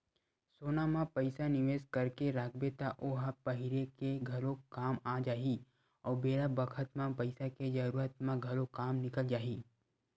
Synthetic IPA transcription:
soːnamãpɐɪsanɪʋeːskɐɾkeɾaːkʰbet̪aʔoːɦapɐɦɪɾekeɡʱɐlokaːmaːd͡ʒaːi | ɔːɾbeːlabəkʰət̪mãpɐɪsaked͡ʒɐɾuːɾət̪mãɡʱɐlokaːmnɪkəld͡ʒaːɦiː

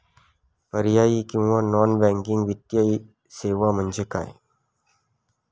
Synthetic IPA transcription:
pəɾjaːikʊ̃ʋanɔːnbɛ̃ːŋkɪ̃ŋɡʋɪt̪jaːi | seːʋamə̃nd͡ʒeka̰ːḛ

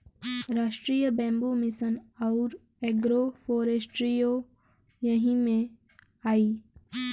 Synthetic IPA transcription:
ɾaːʃʈɾijəbɛ̃ːmbumɪsənɔʊɾ | eːɡɾofoːɾesʈɾijo | jɐɦĩmẽ | aːiː

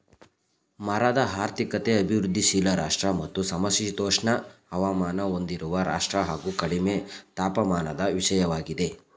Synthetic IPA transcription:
mɐɾɐd̪ɐɦaːɾt̪ikɐt̪eɐbʱiʋɾud̪ʱːiʃiːlɐɾaːʂʈɾɐmɐt̪ːusɐmɐsit̪oːʂɳɐhɐʋaːmaːnɐo̞nd̪iɾuʋɐɾa̰ːʂʈɾɐɦaːɡuːkɐɽimet̪aːpɐmaːnɐd̪ɐʋiʂɐjɐʋaːɡid̪e̞

